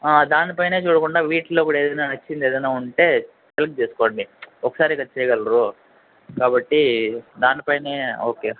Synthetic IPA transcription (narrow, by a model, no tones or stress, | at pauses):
aːd̪aːnipɐjne̞ːt͡ʃuːɽɐkuɳɖaːʋiːʈloːipːuɽeːd̪ɐjnaːnɐt͡ʃːind̪eːd̪ɐjnaːuɳʈe̞ː | t͡ʃelk̚t͡ʃeːsu̥koːɳɖiɔkːɐ̥saːɾiɡɐtːt͡ʃɛːjɐɡɐlɐɾu | kaːbɐʈːid̪aːnipɐjne̞ːoːkeː